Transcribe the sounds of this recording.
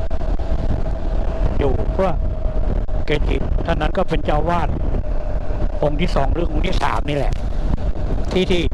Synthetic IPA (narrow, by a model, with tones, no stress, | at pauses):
juː˨˩pʰɯ˥˩ɐ | ke˧t͡ɕḭ˨˩k̚t̪ʰːa˧˥˩nːa˦˥nkɔː˥˩pe˧nt͡ɕaː˧˩wwaː˥˩t̪̚ | ʔo˧ŋt̪ʰiː˥˩sɔː˩˦ŋɾɯ˩˦˥o˧ŋt̪ʰiː˥˩sa̰ː˩˦mniː˥˩lɛ˨˩ʔ | t̪ʰiː˥˩t̪ʰiː˥˩